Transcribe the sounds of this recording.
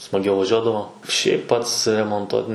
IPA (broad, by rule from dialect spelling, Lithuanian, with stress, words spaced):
smɐˈɡʲɛʊ ʋɐˈʒʲuɔdɐʋoː ʃʲɛɪp ˈpɐts rʲɛmoːnˈtuɔt n